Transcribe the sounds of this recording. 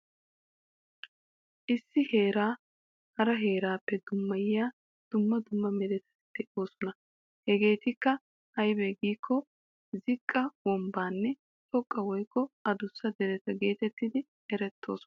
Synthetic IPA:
ʔɪsːɪhe̞ːɾaː | hɐɾɐɦeːɾaːpːɛd̪ʊmːɐjɪjaː | d̪̥ʊmːɐd̪ʊmːɐmɛd̪ɛt̪ɐ̥sd̪̥ɛʔo̞ːsɔnɐ | hɛɡe̞ːt̪ɪkːɐ | hɐjbɛɡiːkʰːɔ | zɪkʼːɐwɔmbaːnːɛ | t̪ʼɔkʼːɐwɔjkːɔɐd̪ʊsːɐd̪ɛɾɛt̪ɐɡe̞ːt̪ɛt̪ːɪd̪ɪ | ɛɾɛt̪ːo̞̰ːsɔ

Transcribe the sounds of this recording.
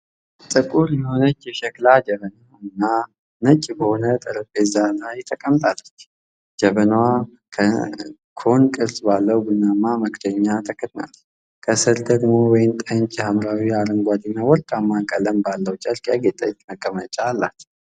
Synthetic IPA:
t̪ʼɨkʼuɾjɛho̞nət͡ʃːjɛʃɛklad͡ʒəβəna | nːa | nət͡ʃʼbəho̞nət̪ʼɨɾəkʼezanajɛt̪ʰːəkʼəmːt̪ʼalːət͡ʃː | d͡ʒəβənwa | kʰə | kʰo̞nkʼɨɾsbalːəwɡunːamːaməkʰt̪ʰəɲːat̪ʰəkʰːət̪ʼna̰l | kʰəsɨɾd̪əɡmo̞wɔjɪnt̪ʼəɲt͡ʃʼjɛhamɾawiaɾəŋɡʷad̪inːawɔɾt̪ʼamːakʼələmbalːəwt͡ʃʼəlkʼjaɡet̪ʼəɲt͡ʃʼməkʼːəmət͡ʃʼaːlːat̪

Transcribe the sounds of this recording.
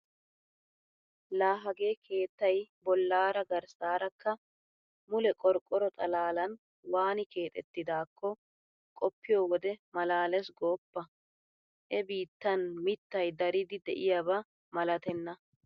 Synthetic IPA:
laːɦɐɡe̞ːkʰe̞ːt̪ːɐjbɔlːaːɾɐɡɐɾsaːɾɐkːɐ | mʊlɛkʼɔɾkʼːɔɾɔt̪ʼɐlaːlɐn | waːnɪke̞ːt̪ʼɛ̰t̪ːɪd̪aːkːɔ | kʼɔpːɪjoːwɔd̪ɛmɐlaːlɛsɡo̞ːpːɐ | ʔɛbiːt̪ːɐnmɪt̪ːɐjd̪ɐɾɪd̪ɪd̪ɛʔɪjɐbɐ | mɐlɐt̪ɛnːɐ

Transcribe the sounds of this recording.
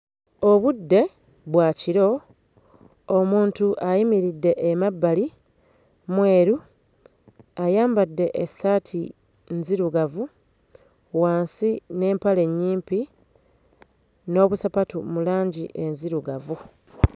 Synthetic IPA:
oβudːe̞ | βwaːciɾo̞ | omuːntuʔajimiɾidːe̞ʔːmabːali | mwe̞ːɾu | ajaːmbadːe̞ʔesːatʰi | nziɾuɡavu | waːnsine̞ːmpale̞ɲːiːmpi | no̞ːβusapatumulaːɲɟḭʔe̞nziɾuɡavu

